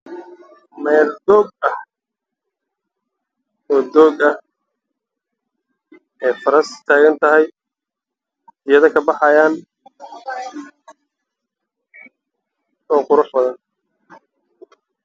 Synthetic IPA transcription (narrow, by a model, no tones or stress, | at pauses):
mɛːld̪ɔːɡ̚ɐh | ɔːd̪ɔːɡɐh | ɛːfɐɾɐst̪ʰaːɣɐnt̪ʰɐɦɛj | ɪjɐðɐkʰɐbɑħɑjaːn | ɔːqʊɾʊħbɐðɐn